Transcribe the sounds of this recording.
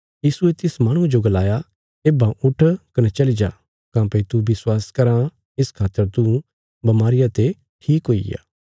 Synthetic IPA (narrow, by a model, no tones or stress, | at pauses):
jiːsuet̪ɪsmaːɽ̃ũd͡ʒoɡɐlaːja | eːbãʔʊʈʰkɐnet͡ʃɐlid͡ʒa̰ː | kãːpɐit̪ubɪswaːskɐɾã | ɪskʰaːt̪ːəɾt̪u | bɐmaːɾɪjat̪e | ʈʰiːkɦoːḭja̰ː